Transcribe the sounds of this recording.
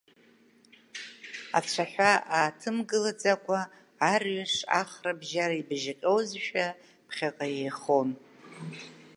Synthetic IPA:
a̰t͡ɕʷʰaħʷᶣaaːtʰɨmɡɨlad͡zakʷʼaː | rɥaʂa̰χrabʒaɾaibʒɪqʲʼowzʃᶣa | pʰχʲaqʼajejχon

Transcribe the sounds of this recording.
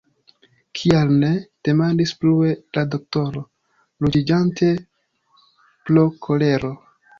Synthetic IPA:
kʰialne̞d̥e̞mandisplue̞lado̞k̚to̞ɾo̞ | lud͡ʒid͡ʒantʰe̞ | plokʰo̞le̞ɾo̞

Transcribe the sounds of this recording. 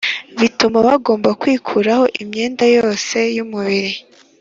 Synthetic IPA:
βitumaβaɡo̞ːmbakwiːkʰuɾaho̞ʔimɲe̞ːndajo̞ːse̞jumuβiɾi

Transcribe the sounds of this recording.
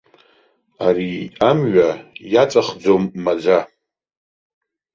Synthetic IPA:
aɾiamɥajat͡sʼaχd͡zomːad͡zʷa

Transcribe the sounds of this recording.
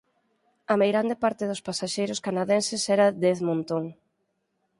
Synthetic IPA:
ɐmejɣɾand̪ɪpaɾt̪ɪðʊspasaʃejɾʊskanaðɛnsɪsɛɾɐðeθmõnt̪oŋ

